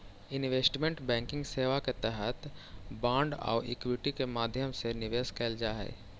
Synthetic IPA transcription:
ɪnʋeːsʈmẽɳʈbɛ̃ːŋkɪ̃ŋɡseːʋaket̪ɛɦət̪bãːɳɖɔ̰ːʔɪ̰kwɪʈikemaːd̪ʱjəmsenɪʋeːskeːld͡ʒaɦɛ̰ː

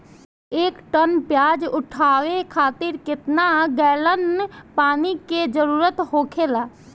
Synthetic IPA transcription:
eːkʈənpjaːd͡ʒʊʈʰaːwekʰaːt̪ɪɾkɪt̪naɡɛːlənpaːniked͡ʒəɾuːɾət̪hoːkʰelaː

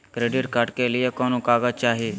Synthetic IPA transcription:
kɾeːɖiʈkaʈkelɪjekɔːnokaːɡat͡ʃaːɦie

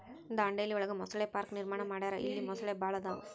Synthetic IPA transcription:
ind̪ɐɐɳɖelːiɔɭɐɡemɔsɐɭeːpaːɾkniɾmaːɳɐmaːɽaːɾɐʔilːimɔsɐɭeːbʱaːɭɐd̪aṵ

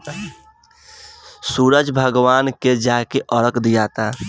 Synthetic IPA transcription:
suːɾəd͡ʒbʱəɡʋaːnked͡ʒaːkeʔɔɾəkd̪ijaːt̪aː

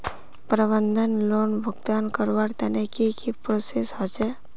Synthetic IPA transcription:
pɾəbənd̪ʱənlonbʱəɡd̪ankəɾʋaɽt̪anekikipɾosesɦɔt͡ʃe

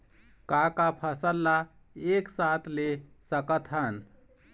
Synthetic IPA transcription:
kakapʰəsəlːa | eksat̪ʰlesəkət̪ɦən

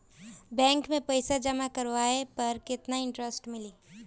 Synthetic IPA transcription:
bɛ̃ːŋkmẽpɐɪsad͡ʒɐmakɐɾwaːepɐɾkɪt̪naɪ̃ɳʈɾəsʈmɪli

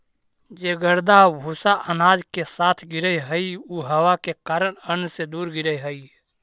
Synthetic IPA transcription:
d͡ʒeːɡəɾd̪abʱusaʔənaːd͡ʒkesaːt̪ʰɡɪɾəjɦəiuɦəwakekaːɾəɽ̃ənsed̪uːɾɡiɾəjɦəi

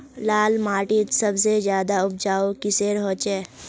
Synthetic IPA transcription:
laːlmaːʈit̪sɐbsezjaːd̪aʊp̚d͡ʒaːokiseɾɦoːt͡ʃeː

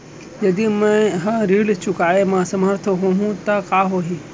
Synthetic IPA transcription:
jɐd̪imɛ̃ɦãɾiːɽt͡ʃʊkaːemãsɐməɾt̪ʰoɦoːɦũt̪ɐkaːɦoːɦi

